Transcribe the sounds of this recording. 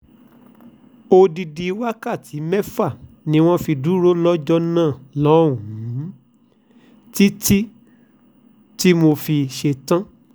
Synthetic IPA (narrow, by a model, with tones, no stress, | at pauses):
o˧di˧di˧˦wa˦ka˦˨ti˨˦mɛ˦fa˦˨ | nĩ˨˦w̃ɔ̃˦fi˧du˦ɾo˦lɔ˦d͡ʒɔ˦nãː˦˨lɔ˦˨ũ˨˦˨ | ti˦ti˦ | ti˦mo˧fi˧ʃe˧tã˦